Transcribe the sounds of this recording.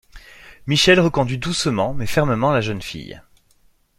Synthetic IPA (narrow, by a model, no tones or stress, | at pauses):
miʃɛlʁəkɔ̃d̪ɥid̪usmɑ̃mɛfɛʁməmɑ̃laʒənfḭj